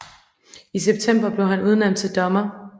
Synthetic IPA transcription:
is̬eb̥t͡sʰem̰b̥ɐb̥le̝ʊɦænuð̞ˠnem̰d̥̚t͡sʰe̝ld̥ɒ̽mɐ

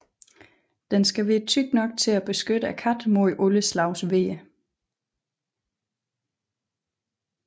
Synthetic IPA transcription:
d̥ensɡ̥æʋe̝t͡sʰyɡ̥̚nɒ̽ɡ̥̚t͡sʰe̝læb̥e̝sɡ̥ød̥əækʰæd̥moiʔɔləslɑ̈ʊsʋe̝̰ːə

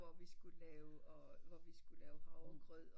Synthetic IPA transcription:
ɒʋisɡ̥ulɛːʊɒʋɒʋisɡ̥ulɛːʊhɑ̈ʊɡ̥ʰʁœð̰ˠ

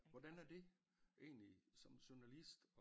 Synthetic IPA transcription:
ʋɒd̥ænæɐd̥e̝ | ʔe̝̰ːnlisɒ̽mɕuɐnælisd̥

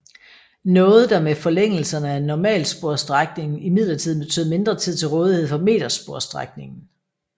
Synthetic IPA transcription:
nɔ̽ːð̞̩ˠd̥ɑ̈mefɒ̽leŋ̰l̩sɐnəænɒmɛ̰ːlsb̥o̝ɐsd̥ʁaɡ̥ne̝ŋn̩imið̞̰ˠlɐt͡sʰiðˠb̥e̝t͡sʰø̰ːð̩ˠme̝nd̥ʁɐt͡sʰið̞̰ˠt͡sʰe̝lʁɔ̽ːð̞ˠihe̝ð̞̰ˠfɒ̽me̝̰ːd̥ɐsb̥o̝ɐ̰sd̥ʁa̰ɡ̥̚ne̝ŋn̩

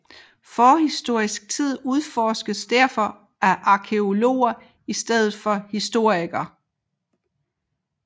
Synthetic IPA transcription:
fɒːhisd̥o̝ɐ̰isɡ̥̚t͡sʰið̞̰ˠuð̞ˠfɒːsɡ̥əðsd̥æɐfɒ̽ | æʔɑ̈kʰe̝o̝lo̝̰ːɐ | isd̥eð̞̰ˠð̩ˠfɒ̽hisd̥o̝ɐ̰iɡ̥ɐ

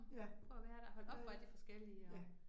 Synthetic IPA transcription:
æɔ̽ʋæːɐɾ̥æɒ̽b̥ɒd̥ifɒ̽sɡ̥el̰iəæ

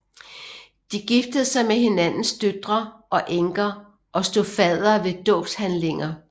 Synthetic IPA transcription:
d̥iɡ̥ifd̥əð̞̩ˠsɑ̈ɪmeɦe̝nænn̩sd̥ød̥ʁɐʔɒ̽ʔeŋɡ̥ɐ | ʔɒ̽sd̥o̝fɛð̰ˠɐʋe̝d̥ɔ̰̽ːb̥shænle̝ŋɐ

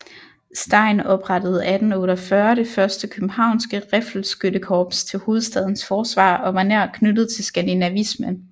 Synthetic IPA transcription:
sd̥ɑ̈ɪ̰nɒ̽b̥ʁɑ̈d̥əð̞̩ˠæd̥n̩ɔːɾɐfɶɐɾe̝fɶɐsd̥əkʰøb̥m̩hɑ̈ʊ̰nsɡ̥əʁefl̩sɡ̥ødəkʰɒːb̥st͡sʰe̝lho̝ːð̞̩ˠsd̥ɛð̞ˠn̩sfɒːsʋɑ̰̈ːɒ̽ʋɑ̈neɐ̰kʰnødð̞̩ˠt͡sʰe̝lsɡ̥ænd̥inæʋismən

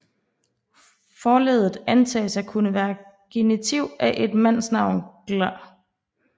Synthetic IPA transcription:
fɒːlḛːðˠð̩ˠænt͡sʰɛ̰ːsɑ̈ɪkʰunəʋæːɐɡ̥e̝nit͡sʰiʊæʔe̝d̥mæn̰snɑ̈ʊ̰nɡ̥læ

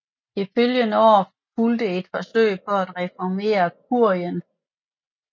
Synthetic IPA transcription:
iføljənəɒ̰ː | fuld̥əe̝d̥fɒ̽sø̰ɪ̰pʰɒ̽æd̥ʁɛfɒme̝̰ːɐkʰuɐ̰jən

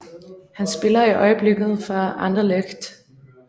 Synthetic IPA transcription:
hænsb̥e̝lɐiʔɒɪəb̥le̝ɡ̥ð̞̩ˠfɑɑnd̥ɐleɡ̥d̥

